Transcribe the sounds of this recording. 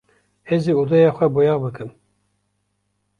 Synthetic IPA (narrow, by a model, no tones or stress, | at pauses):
heziud̪ɛjɑːxʷɛbojɑːbɨkɨm